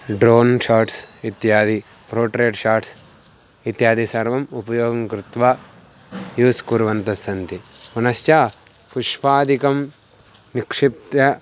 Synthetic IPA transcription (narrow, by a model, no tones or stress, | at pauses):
ɖɾoːnʃaːɾʈsit̪jaːd̪i | pɾoːʈɾeːʈʃaːɾʈs | it̪jaːd̪isɐɾʋɐmupɐjoːɡɐmkɾut̪ʋaː | juːskuɾʋɐnt̪ɐsɐnt̪imɐnɐst͡ʃaː | pʰuʂpaːd̪ikɐm | nikʂip̚t̪jɐ